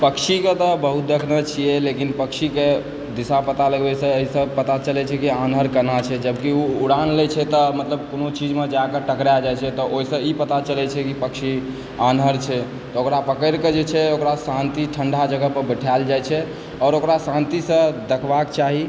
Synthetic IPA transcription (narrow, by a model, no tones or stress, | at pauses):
pəkʃiket̪ɔbəɦut̪̚d̪ekʰnət͡ʃʰijɛlekinpəkʃike | d̪isapət̪aləɡbɛsə̃əɦisə̃pət̪at͡ʃəlɛt͡ʃʰɛkianɦəɾkənat͡ʃʰɛd͡ʒəbkiuːɾanlɛt͡ʃʰɛt̪ɔmət̪ləb̚konot͡ʃid͡ʒmed͡ʒakəʈəkɾad͡ʒajt͡ʃʰɛt̪ɔʔoisə̃ipət̪at͡ʃəlɛt͡ʃʰɛkipəkʃʰi | anɦəɾt͡ʃʰɛ | t̪ɔokɾapəkəɾked͡ʒet͡ʃʰɛokɾasãnt̪iʈʰəɳɖʱad͡ʒəɡəɦpəɾbəʈʰald͡ʒajt͡ʃʰɛ | ɔːɾokɾasãnt̪isə̃d̪əkʰbakt͡ʃaɦi